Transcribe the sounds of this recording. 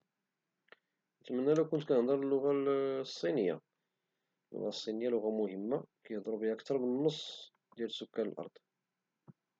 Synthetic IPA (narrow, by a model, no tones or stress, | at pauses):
ət̪mənːælækːʊnt̪kænnd̪ˤɑɾˤəlːʊɣasˤːinəjːa̰ | lːʊ̰ɣasˤːinijːalʊɣamʊhəmːakjəhd̪ˤɾˤubiækt̪ɑɾˤbənːəsˤː | d̪jælsʊkːælə̰lʔɑ̰ɾˤd̪̥ˤ